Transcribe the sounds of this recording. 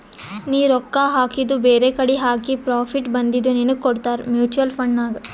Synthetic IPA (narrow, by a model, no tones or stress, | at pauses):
niːɾɔkːaɦaːkid̪ubeːɾekɐɽiɦaːkipɾaːpʰiʈbɐnd̪id̪ːuninuɡkoɽt̪aːɾmjuːt͡ʃuɐlpʰɐɳɖnaːɡ